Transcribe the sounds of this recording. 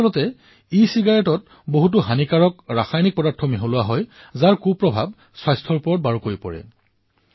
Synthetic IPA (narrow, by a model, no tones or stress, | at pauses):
ɔlɔtɛ | isiɡaɹɛtɔt̚ | boɦut̬uɦanikaɹɔkɹaxajnik̚pɔdaɹtʰːɔmiɦolʊwaɦɔj | zaɹkupːɹɔbʱab̚ | swajstʰɔɹpɔɹɔt̚baɹukoɹipɔ̰ɹɛ̰